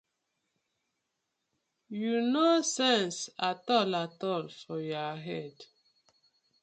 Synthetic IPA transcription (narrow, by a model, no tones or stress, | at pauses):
junosɛ̃nsatɔlatɔlfɔjɔɦɛd